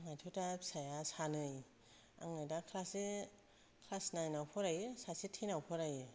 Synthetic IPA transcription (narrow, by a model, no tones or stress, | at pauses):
ŋajtʰɯtasajasanɯj | a̰ŋajdakʰlase | kʰlasnajnawpʰɔɾajɯsasitʰinawpʰɔɾajɯ